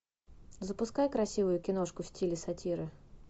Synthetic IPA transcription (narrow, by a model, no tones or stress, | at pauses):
zəpʊskajkɾɐsʲivʊjʊkʲɪno̞ʂkʊfsʲtʲilʲɪsɐtʲiɾɨ